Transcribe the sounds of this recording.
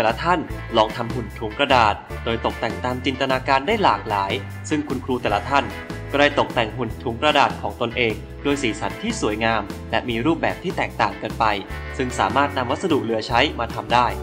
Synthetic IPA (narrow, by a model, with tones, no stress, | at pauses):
t̪ɛː˨˩la˦˥t̪ʰa˥˩nlɔː˧ŋt̪ʰa˧mɦu˨˩nt̪ʰuː˩˦ŋkɾa˧daː˨˩t̪̚doː˧jt̪o˨˩k̚t̪ɛ˨˩ŋt̪aː˧mt͡ɕi˧nt̪a˧naː˧kaː˧ndaː˥˩jlaː˨˩k̚laː˩˦j | sɯ˥˩ŋkʰu˧nkʰɾuː˧t̪ɛː˨˩la˦t̪ʰa˥˩n | kɾa˧jt̪o˨˩k̚t̪ɛ˨˩ŋhu˨˩nt̪ʰuː˩˦ŋkɾa˧daː˨˩t̪̚kʰɔː˩˦ŋt̪o˧nʔeː˧ŋ | doː˧jsiː˩sa˩˦nt̪ʰiː˥˩suː˨˩˦jŋaː˧mlɛ˦˥miː˧ɾuː˥˩p̚bɛː˨˩p̚t̪ʰiː˥˩t̪ɛː˨˩k̚t̪aː˨˩ŋka˧npa˧j | sɯ˥˩ŋsa̰ː˩˦maː˥˩t̪̚na˧mwa˦˥t̪̚sa˧du˨˩k̚lɯ˩˦ɐt͡ɕʰa˦˥jmaː˧t̪ʰa˧mdaː˥˩j